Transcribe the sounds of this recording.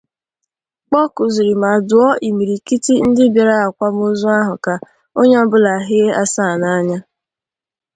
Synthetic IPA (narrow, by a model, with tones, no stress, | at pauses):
k͡pɔ˦kʊ˨zu˨ɾi˨ma˨dʊ˨ɔ˦ʔi˨mi˨ɾi˨ki˦ti˦n̩˦dɪ˦bja˨ɾa˦a˨kʷa˦m˦o˦zu˦a˦ɦʊ˨ka˨ | o˦ɲe˦ɔ˦bʊ˦la˨ɦɪ˦e˦ʔa˦sa˦˨na˦ɲa˦